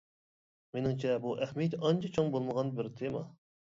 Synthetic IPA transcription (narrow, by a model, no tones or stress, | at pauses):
menɪŋt͡ʃʰɛbuʔæhmɛt̪ɑnt͡ʃʰɛt͡ʃʰoŋbolˠməʁɑnbɪɾt̪ʰemɑ